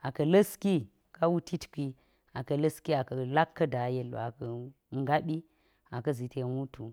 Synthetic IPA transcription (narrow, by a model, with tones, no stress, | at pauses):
a˨kɐ˨lə˦ski˦ | ka˦wu˦tʰi˦tki˦ | a˨kɐ˨lɐ˦ski˦a˨kɐ˨la˦kʰːɐ˦da˨je˦lo̰˨a˨kɐ˨ | ŋɡa˦ɓi˦ | a˨kɐ˦zi˨te˨wu˦tʰu˨